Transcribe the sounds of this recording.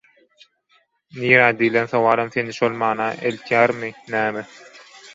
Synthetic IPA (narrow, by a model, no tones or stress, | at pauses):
niːɾæːd̪iːlenθɑwɑːlˠɑmθeniʃolmɑːnɑʔelk̪ʰjæːɾminæːme